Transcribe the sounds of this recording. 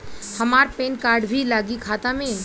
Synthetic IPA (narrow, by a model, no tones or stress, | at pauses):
həmaːɾpeːnkaːɾɖbʱilaːɡikʰaːt̪ãmẽ